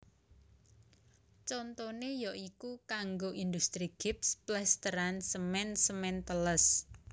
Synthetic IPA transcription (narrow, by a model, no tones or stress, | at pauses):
t͡ʃɔnt̪onejɔʔikukaŋɡoʔind̪ust̪ɾiɡ̥ip̚splɛst̪əɾansəmɛnsəmɛnt̪ələs